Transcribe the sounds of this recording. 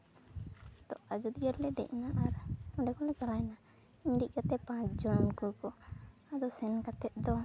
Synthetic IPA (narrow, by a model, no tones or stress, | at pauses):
d̪ɔad͡ʒud̪ɡəɾlɛd̪ɛ̰ʔnaʔaɾɔɖɛkɔlɛt͡ʃalajna | iɲɾiʔ̚kat̪ɛpãt͡ʃd͡ʒɔnkukɔad̪ɔsɛnkat̪ɛt̪̚d̪ɔ